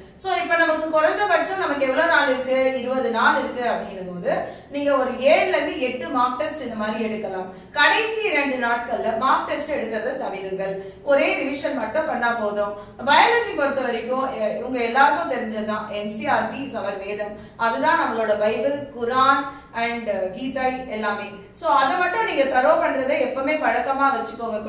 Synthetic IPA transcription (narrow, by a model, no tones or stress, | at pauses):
soːɪpːoːnɐmɐkːɯkɔɾɐnd̪ɐpɐʈt͡ʃːɐnɐmɐkːɯɛʋːɐɭoːnaːlɪɾɯkːɯɪɾɯʋɐðɯnaːlɪɾɯkːɯɐpːɐɽɪŋɪnɯpoːðɯniːŋɡɐɔɾɯeːɽlɐnd̪ɯɛʈːɯmaːɾk̚ʈesʈɪnd̪ɐmaːd̪ɾiɛɽɯkːɐlaːm | kɐɽɐɪsiɾɛɳɖɯnaːʈ̚kɐɭːɐmaːɾk̚ʈesʈɛɽɯkːɪɾɐðɐt̪ɐʋɪɾɯŋɡɐɭ | ɔɾeːʋɪʋɪʂɐnmɐʈːɐ̃pɐɳːapoːðʊ̃ | bɐjaːlɐsipɔɾɯt̪ːɐʋɐɾɪkːʊ̃ʊŋɡɐɛlːaːɾɯkːʊ̃t̪ɛɾɪɲd͡ʒɐt̪ãːʔɛnsiaːɾpisɐʋɐɾʋeːðɐm | ʔɐðɯt̪ãːnɐmːɐɭoːɽɐbɐɪbɪlkʊɾaːn | ɐɳɖɡit̪aɪɛlːaːmeː | soːɐðɐmɐʈːʊ̃nĩːŋɡɐk̪ɐɾoːpɐɳːɾɐðɯɛpːɐmeːʋɐɻɐkːɐmaːʋɐt͡ʃːɯ̥kːoːŋɡɐk